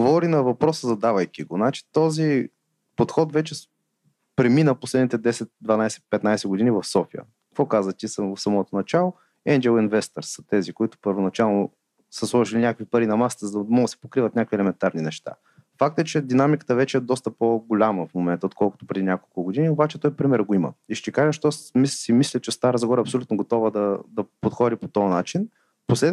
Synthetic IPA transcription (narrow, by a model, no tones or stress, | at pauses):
ɡovɔɾinɐvɐpɾɔsəzɐd̪avəjkʲiɡonat͡ʃi̥t̪ɔzi | pot̪xɔt̪vɛt͡ʃɛ | pɾɛminəposlɛd̪nit̪ɛd̪ɛsɛt̪̚d̪vɐnajsɛ̥pɛt̪najsɛɡod̪inivɐfsɔfijə̰kkɐkvɔkazət̪ʲisəfsɐmɔt̪onɐt͡ʃalˠo | ɛnd͡ʒɛlˠinvɛst̪ɛɾsə̥t̪ɛzikoit̪ʊ̥pəɾvonɐt͡ʃalˠno | səslˠɔʒilinʲakəkvipɐɾinɐmasə̥t̪əzəd̪ɐd̪mɔɡ̪sɛ̥pokɾivət̪nʲakəkviɛlɛmɛnt̪aɾninɛʃt̪a̰ | fak̚t̪əɛt͡ʃɛd̪inamikə̥t̪əvɛt͡ʃɛɛd̪ɔst̪əpoɡolʲaməfmomɛnt̪əot̪̚kʰɔlˠkʊt̪o̥pɾɛd̪inʲakolˠkʊɡod̪iniobat͡ʃɛt̪ɔjpɾimɛɾəɡoimə̰iʃt̪ɛkaʒɛʃt̪ɔsmisimislʲət͡ʃɛst̪aɾəzɡɔɾɐpsolʲut̪noɡot̪ɔvəd̪ɐd̪ɐpot̪xɔd̪ʲipot̪ɔɐnat͡ʃin | poslɛ